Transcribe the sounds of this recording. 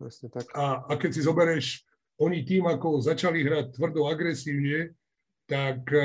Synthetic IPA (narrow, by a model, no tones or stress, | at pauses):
pɾɛsɲɛaaːkɛcsizɔbɛɾɛʃ | ɔɲit̪iːmakɔzat͡ʃaliɦɾac̚t̪ːʋr̩d̪ɔaɡɾɛsiːʊɲɛ | t̪ak